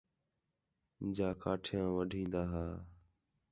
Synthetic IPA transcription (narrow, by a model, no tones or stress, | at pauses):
d͡ʒaːkaːʈʰjãːʋəɖʱĩːnd̪aːɦaː